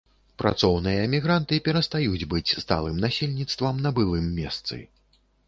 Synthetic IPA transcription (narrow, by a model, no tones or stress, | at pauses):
pɾʔa̰t̪sɔwnɨjɐɛmʲiɣɾant̪ɨpʲɛɾɐst̪ajud͡zʲbɨt͡sʲst̪a̰lˠɨmnasʲelʲnʲit̪st̪vɐmnɐbɨlˠɨmːʲɛst̪sɨ̰